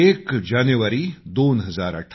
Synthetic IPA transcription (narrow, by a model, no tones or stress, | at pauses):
eːkd͡ʒaːnjʋəɾid̪oːnɦɐzaːɾɐ̰ʈʰ